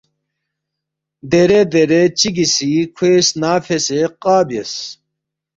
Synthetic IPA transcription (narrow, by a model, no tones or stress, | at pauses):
d̪eɾed̪eɾet͡ɕiɡisikʰesnaːfeseqaːbjes